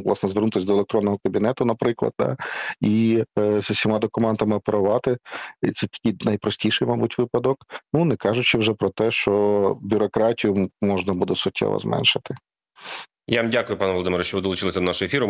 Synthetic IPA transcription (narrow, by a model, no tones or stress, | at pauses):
ʋlˠɑsnɛzʋernut̪ɪsʲd̪ɔelˠek̚t̪ɾɔnːɔɦɔkɐbʲinɛt̪ʊnɐpɾɪklˠɐ̰d̪̚d̪ɑ̰izɐsʲimɑd̪ɔkʊmɛnt̪ɐmɪɔpeɾʊʋɑt̪ɪit̪sɛt̪ʲɐ̥kʲijnɐjpɾɔsʲtʲijʃɪjmɑbutʲʋɪpɐd̪ɔknunɛkɑʒʊt͡ʃɪwʐɛpɾɔt̪ɛʃt͡ʃɔbʲʊɾɔkɾɑtʲijʊmɔʐnɐbud̪ɛsʊtʲːɛ̰ʋɔ̰zmɛ̰nʃɪt̪ɪ | jamdʲakʊjʊpɑnɛʋɔlˠd̪ɪmɪɾɐʃt͡ʃɔʋɪd̪ɔlˠʊt͡ʃɪlˠɪsʲɐd̪ɔnaʃʊefʲiɾʊ